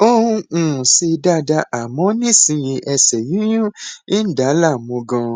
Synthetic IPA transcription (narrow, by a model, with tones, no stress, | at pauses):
o˦ũ˧˦ũ˨si˧da˦da˧ʔa˨mɔ̃˨˦nĩ˦˨sĩ˧jĩ˧ʔɛ˧sɛ˨jĩ˦ũ˦ĩ˦n̩˦da˨˦la˦˨mõ˨˧ɡɔ̃˧